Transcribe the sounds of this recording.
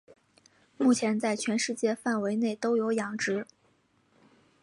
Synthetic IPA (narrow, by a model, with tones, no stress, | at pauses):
mu˥˩t͡ɕʰjɛ˧˥nt͡sa˥˩ɪt͡ɕʰɥɛ˧˥nʂɻ̩˥˧t͡ɕjɛ˥˧fa˥˩nwe˧˥ɪne˥˩ɪt̪o˥ʊjo˧˥ʊjɑ˧˥ŋʈ͡ʂɻ̩˧˥